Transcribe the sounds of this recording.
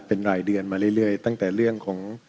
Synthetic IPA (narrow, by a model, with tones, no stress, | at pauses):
pe˧nɾaː˨˩jdɯ˧ənmaː˧ɾɯ˥˩jlɯ˥˩əjt̪a˥˩ŋt̪ɛː˨˩ɾɯ˥˩əŋkʰɔː˩˦ŋ